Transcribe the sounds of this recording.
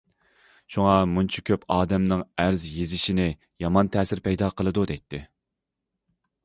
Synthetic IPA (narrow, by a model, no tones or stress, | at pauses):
ʃuŋɑmunt͡ʃʰɑ̥kʲʰøpʰɑːd̪ɛmnɨŋæɾzjezɪʃinɪ | jɑmɑnt̪ʰɛːsɪɾpɛjd̪ɑqʰəlˠɨd̪ud̪ɛjt̪ʰːɪ